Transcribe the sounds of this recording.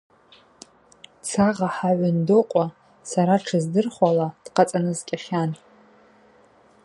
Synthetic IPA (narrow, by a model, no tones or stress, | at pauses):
t͡sʰaʁaħaʕʷandoqʷʼa | saɾaʈ͡ʂʰɨzdɨrχʷalad̥qat͡sʼanɨzkʲʼaχʲan